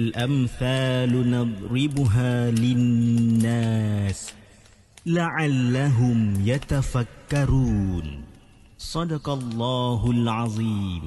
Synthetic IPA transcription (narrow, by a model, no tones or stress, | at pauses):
lʔamθaːlʊnɑd̪ˤɾɪbʊɦaːlɪnnːaːs | laʕalːaɦʊmjat̪afakːɑɾun | sˤɑd̪ɑqɑlˤːɑːɦʊlʕɑðˤiːm